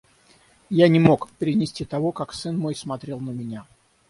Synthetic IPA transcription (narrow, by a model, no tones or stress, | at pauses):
janʲɪmo̞kpʲɪɾʲɪnʲɪsʲtʲit̪ɐvo̞kaksɨnmo̞jsmɐt̪ɾʲe̞lˠnəmʲɪnʲa